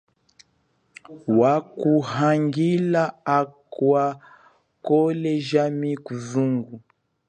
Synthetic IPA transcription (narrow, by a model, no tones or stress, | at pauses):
wakuhaŋɡilaakwa | kɔlɛʒamikuzuŋɡu